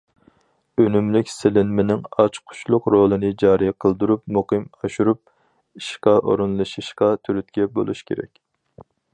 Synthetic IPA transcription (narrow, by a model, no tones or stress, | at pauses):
ønymlɪkʲsɪlɪnmɪnɪŋɑt͡ʃqʰʊ̥t͡ʃlˠʊqɾolˠɨnɨd͡ʒɑːɾijqʰəlˠd̪uɾup̚muqɨmɑʃuɾup̚ | iʃqɑʔo̰ɾɨnlˠɨʃiʃqɑt̪ʰyɾyt̪̚kʲɛbo̰lˠuʃkʲʰḛɾɛ̰kʲ